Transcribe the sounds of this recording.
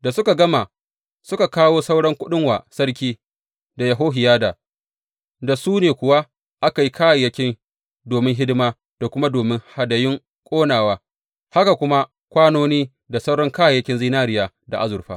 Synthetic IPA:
da˨sʊ˦ka˨ɡɐ˦ma˨ | sʊ˦ka˨kaː˦woː˦sa˦wɽɔ˦ŋkʷʊ˦ɗɪ˦ŋwaː˨sɐ˦ɽk̬ʲiː˦ | da˨jɐ˨ɦoː˦ɦɪ˨jaː˦da˨ | da˨suː˦neː˨kʷʊ˨wa˦ | ʔa˦ka˨ji˦kaː˦ja˨jɐ˦kʲɪ˦n | doː˨mɪ˦ŋɦɪ˦dɪ˦maː˦ | d̥a˨kʷʊ˦ma˦doː˨mɪ˦ŋha˨dɐ˨jɪ˦ŋ | kʷʼoː˦naː˨waː˦ | ha˦ka˨kʷʊ˦ma˦ | kʷaː˦noː˦niː˦ | da˨sa˦wɽɔ˦ŋkaː˦jjɐ˦kʲɪ˦nzi˦naː˦ɽɪ˦jaː˦˨ | da˨ʔa̰˦zʊ˨ɾɸa̰ː˦

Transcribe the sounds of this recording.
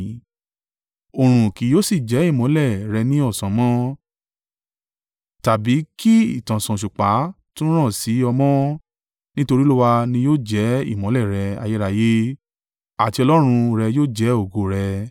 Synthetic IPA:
o˨ɾ̃ũ˨ki˨˦joː˦si˦˨d͡ʒɛ˨˦i˦˨mɔ̃˨˦lɛ˦˨ɾɛ˧nĩ˦ɔ˦˨sã˨˦mɔ̃˦ | ta˨bi˨˦ki˦i˦˨tã˨sã˨ʃu˨k͡pa˨˦ | tũ˦ɾ̃ã˦˨si˨˦ɔ˧mɔ̃˦ | nĩ˦to˧ɾi˦lu˦wa˧nĩ˧joː˦˨d͡ʒɛ˨˦ḭ˦˨mɔ̃˨˦lɛ˦˨ɾɛ˧a̰˧je˦ɾa˧je˦ | a˨ti˧ɔ˧lɔ˦ɾ̃ũ˧ɾɛ˧joː˦d͡ʒɛ˨˦o˦˨ɡo˧ɾɛ˧

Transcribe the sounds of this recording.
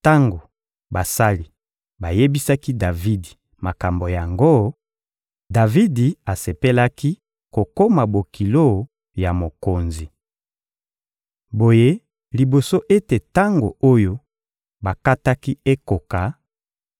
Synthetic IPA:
ta˦ŋɡo˨ | ba˨sa˦li˨ | ba˨je˦bi˦sa˦ki˦da˨vi˦di˨ | ma˨ka˨mbo˨ja˨ŋɡo˦ | da˨vi˦di˨a˨se˨pe˦la˦ki˦ | ko˨ko˦ma˨bo˨ki˨lo˦˨ | ja˨mo˨ko˨nzi˨ | bo˨je˦ | li˨bo˨so˦ʔe˦te˨ta˦ŋɡo˨o˦jo˦ | ba˨ka˦ta˦ki˦e˦ko˨ka˨

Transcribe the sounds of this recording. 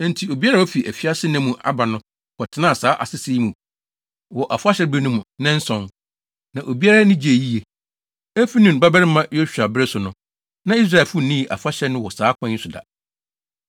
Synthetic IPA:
n̩˨tʰi˨o˨bi˦a˦ɾa˦˨wɔ˦fi˨ʔæ˨fi˦a˦sɪ˦nɛ̃˦mũ˨ʔa̰˨ba˨nʊ̃˦ | kʰɔ˨tʰɪ˨˦nã˦˨saː˦ʔa̰˨sɪ˦si˦i˦mũ˨ | wɔ˨ʔa˨fʊ˦a˦ɕɛ˦ɾbi˦nʊ̃˦mũ˨nɛ̃˦n̩˦sɔ̃˦n | nã˨ʔo˨bi˦a˦ɾa˦nɪ̃˦d͡ʑi˨˦e˨ji˦e˨ | æ˦fi˦nʊ̃˨n˨ba˦bɛ˦ɾɪ˦mã˦jɔ˦ɕᶣa˨bɪ˦ɾɛ˦sʊ˨nʊ̃˨ | nã˦i˦s̬ɾa˦˨ɛ˨fʊ˦˨nĩ˦˨ʔa̰˨fʊ˦a˦ɕɛ˦nʊ̃˦wɔ˨saː˨˦kʰã˦sʊ˨da̰˨

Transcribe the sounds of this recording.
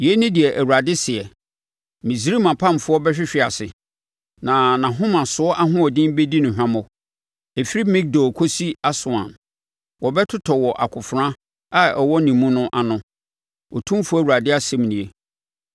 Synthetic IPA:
jɛ˦nʊ̃˦dɪ˨ɛ˨ʔæ˨wu˨a˨dɪ˦sɪ˨ɛ˨ | mĩ˨s̬ɾi˦mã˨pʰã˦˨m˨fʊ˦ɔ˦bɛ˦ɕᶣɪ˦ɕᶣɪ˦a˨sɪ˨ | nã˨nã˨ɦʊ̃˦mã˨sʊ˦ɔ˦ʔa˦ɦʊ̃˦ɔ˨dɪ̃˦m˦be˦di˦nʊ̃˨ɦᶣã˦mʊ˨ | e˨fi˦ɾi˦mĩ˦k̚do˨kʰo˦si˦a˦sʊ˨ã̰˨m | wɔ˨bɛ˦tʰʊ˦tʰɔ˨wɔ˨ʔa̰˨kʰʊ˨fʊ˨ɾã˦ | a˦ɛ˨wɔ˦nĩ˨mũ˦nʊ̃˦ʔa˨nʊ̃˦ | ɔ˨tʰũ˦m˦fʊ˦ɔ˦˨wu˨ɾa˨dɪ˦a˦sɛ˦m˨nĩ˨e˨

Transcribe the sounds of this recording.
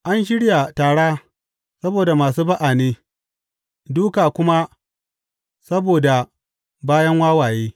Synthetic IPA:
ʔa˦nʃ̬ɪ˦ɽja˨taː˨ɽaː˦ | sɐ˦boː˨da˨maː˨s̬uː˦bɐ˦ʔaː˨neː˦ | duː˦kaː˨kʷʊ˦ma˦ | sɐ˦boː˨da˨ | baː˦jɐ˦ŋwaː˦waː˨jeː˦

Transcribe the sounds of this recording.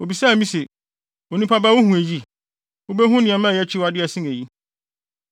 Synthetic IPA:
o˨bi˨sa˦˨mĩ˦se˨ | o˨nĩ˦pʰa˦ba˦wʊ˦hũ˨æ˨ji˦ | wo˦bɛ˦ɦʊ̃˦nɪ̃˨ɛ̃˨mã˦˨jɛ˦t͡ɕʰi˦wa˨dɪ˦æ˨sĩ˦næ˨ji˦

